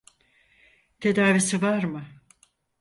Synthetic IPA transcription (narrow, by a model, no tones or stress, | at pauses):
t̪ʰed̪aːvisivaɾmɯ